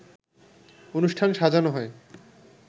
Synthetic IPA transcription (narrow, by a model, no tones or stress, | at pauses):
onuʃʈʰanʃad͡ʑanoɦɔe